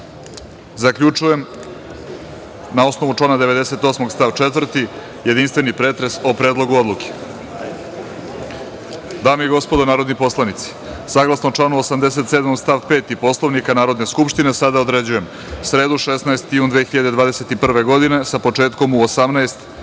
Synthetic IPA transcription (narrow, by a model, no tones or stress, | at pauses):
zakʎut͡ʂuje̞m | nao̞sno̞ʋuʈ͡ʂlˠanad̪e̞ʋe̞d̪e̞se̞t̪o̞ːsmo̞ɡst̪aʋt͡ʃet̪vr̩t̪i | je̞d̪inst̪ʋe̞nipɾeːt̪ɾesopɾe̞ːd̪lˠo̞ɡuo̞d̪luke̥ | d̪aːmeiɡo̞spo̞d̪onaːɾo̞d̪nipo̞slˠanit̪si̥ | saɡlˠasnoʈ͡ʂlˠanuosamd̪e̞se̞t̪sed̪moɡst̪aʋpe̞ːt̪ipo̞slˠoʋnikanaːɾo̞d̪ne̞skupʃt̪ine̞sad̪aod̪ɾe̞d͡ʑuje̞m | sɾe̞ːd̪uʃesnaest̪ijuːnd̪ʋeːxiʎad̪e̞d̪ʋaːd̪ese̞t̪ipr̩ʋe̞ɡo̞d̪ine̞sapo̞t͡ʂe̞ːt̪ko̞muosamnaest̪